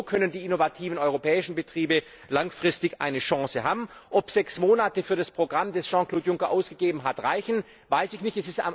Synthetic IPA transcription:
kʰœnəndiːɪnovatʰiːvn̩ɔʏʁopʰɛːɪʃn̩bətʁ̥iːbə | laŋfʁ̥ɪstɪçʔa̰ɪnəʃɑ̃ːsəɦa̰ːbm̩ʔɔpz̥ɛksmoːnatəfyːɐɾaspʁ̥oɡʁamdɛsʒ̥ɑ̃ːkl̥oːtjʊŋkɐʔaʊsɡ̥əɡeːbm̩ɦatʁaɪçn̩ | vaɪsɪçnɪçtɛsɪsta̰ɪ

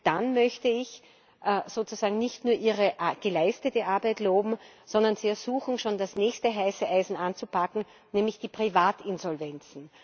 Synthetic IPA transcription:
d̥anmœçtəɪç | ʔz̥oːt͡suz̥aːɡŋ̩nɪçtnuːɐʔiːʁəʔaɡ̥əlaɪstətəʔaɐbæɪtloːbm̩z̥ɔ̃ndɐnziːɛɐz̥uːxŋ̩ʃoːndasnɛːçstəɦaɪsəʔaɪzn̩ãnt͡supakŋ̩ | nɛːmlɪçd̥iːpʁ̥ivaːtɪnzɔlvɛnt͡sn̩

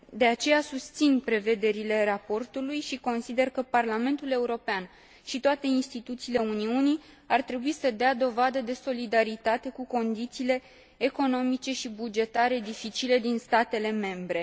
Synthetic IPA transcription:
d̪e̞at͡ʃe̞jasust̪sinpɾe̞ve̞d̪e̞ɾile̞rapo̞rt̪ulujʃiko̞nsid̪e̞rkəparlame̞nt̪ule̞uɾo̞pean | ʃit̪oat̪e̞inst̪it̪ut̪siːle̞uniuni | art̪ɾe̞buisəd̪ead̪o̞vad̪əd̪e̞so̞lid̪aɾit̪at̪e̞kuko̞nd̪it̪siːle̞ː | ko̞no̞mit͡ʃe̞ʃibud͡ʒe̞t̪aɾe̞d̪ifit͡ʃile̞d̪inst̪at̪e̞le̞me̞mbɾe̞

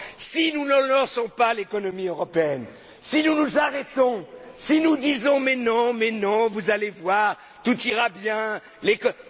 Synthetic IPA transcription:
sinunɔlɑɔ̃sɔ̃palekɔnɔmiøʁɔpeɛn | sinunuzaʁɛt̪ɔ̃sinud̪izɔ̃mɛ̃t̪nɑ̃mɛ̃t̪nɑ̃vuzalevwaʁ | t̪ut̪iʁabjɛ̃ | lekɔ

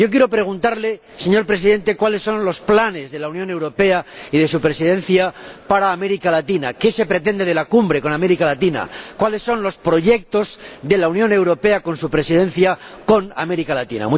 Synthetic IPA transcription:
jo̞k̬jeɾo̞pɾe̞ɣ̞unt̪aɾle̞ | se̞ɲo̞ɾpɾe̞siðe̞nt̪e̞kwale̞sːo̞nlo̞splane̞zðe̞launjone̞wɾo̞pe̞aiðe̞supɾe̞sið̞ẽ̞nθjapaɾaːme̞ɾikalat̪ina̰ke̞se̞pɾe̞t̪̬e̞nd̪e̞ð̞e̞lakumbɾe̞ko̞name̞ɾikalat̪ina̰kwale̞sːo̞nlo̞spɾo̞ʝe̞k̚t̪o̞zðe̞launjõ̞ne̞wɾo̞pe̞ako̞nsupɾe̞sið̞ẽ̞nθjako̞na̰me̞ɾikalat̪ḭna̰mu

